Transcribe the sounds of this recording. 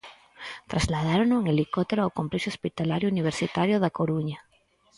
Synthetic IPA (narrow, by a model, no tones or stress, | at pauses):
t̪ɾazlað̞aɾonoeŋelikot̪eɾoawkõmpleʃospit̪alaɾjouniβ̞eɾsit̪aɾjoðakoɾuɲa